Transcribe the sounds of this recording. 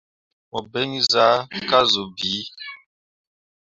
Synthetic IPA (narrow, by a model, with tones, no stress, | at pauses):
mɔ˨be˦ŋi˦za˦ka˦zo˨bi˨˦